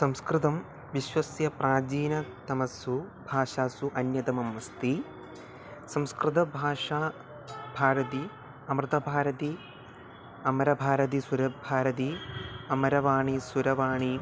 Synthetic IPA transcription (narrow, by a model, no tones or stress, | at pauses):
sɐmskɾɪt̪ɐm | ʋiʃʋɐsjɐpɾaːd͡ʒiːnɐt̪ɐmɐsubʱaːʂaːsuʔɐnjɐt̪ɐmɐmːɐst̪i | sɐmskɾɪt̪ɐbʱaːʂaː | bʱaːɾɐt̪i | ɐmɾɨt̪ɐbʱaːɾɐt̪i | ɐmɐɾɐbʱaːɾɐt̪̬isuɾɐbʱaːɾɐt̪iɐmɐɾɐʋaːɳisuɾɐʋaːɳi